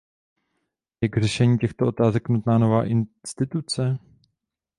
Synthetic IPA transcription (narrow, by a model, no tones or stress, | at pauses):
jaɡr̝ɛʃɛɲiːcɛxt̪oʔo̞t̪aːzɛknut̪naːno̞vaːʔɪnst̪ɪt̪ut͡sɛ